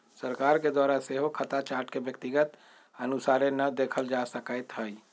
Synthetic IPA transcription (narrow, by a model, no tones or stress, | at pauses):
səɾkaɾked̪waɾaseɦokʰət̪at͡ʃaɾʈkebjək̚t̪iɡət̪ | ənusaɾenəd̪ekʰəld͡ʒasəkəjt̪ɦəj